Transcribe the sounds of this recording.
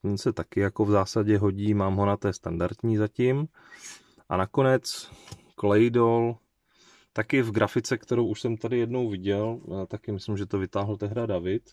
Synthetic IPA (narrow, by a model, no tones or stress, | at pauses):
ɛnsɛt̪akɪjako̞vzaːsaɟɛɦo̞ɟiːmaːmɦo̞nat̪ɛːst̪andaɾt̪ɲiːzacɪm | ʔa̰nako̞nɛt͡s | klɛjdol | t̪akɪvɡɾʔafɪt͡sɛkt̪ɛɾo̞wʔuʃsɛmt̪adɪjɛdno̞wvɪɟɛlt̪akɪmɪslɪmʒɛt̪o̞vɪt̪aːɦl̩t̪ɛɦdadavɪt̪